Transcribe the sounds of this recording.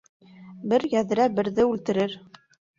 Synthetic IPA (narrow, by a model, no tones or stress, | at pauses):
bɘɾjæð̆ɾæbɘ̆ɾðɘʉlt̪ɘ̆ɾɘɾ